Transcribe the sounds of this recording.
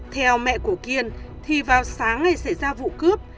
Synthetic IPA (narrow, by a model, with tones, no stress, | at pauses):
t̪ʰɛ˨˧wmɛ̰˧˨ku˧˩əki˨˩ənt̪ʰi˨˩vaː˨˩wsaː˨˦ŋna˨˩jsa˧˩jzaː˧vṵ˧˨kɨ˦˥əp̚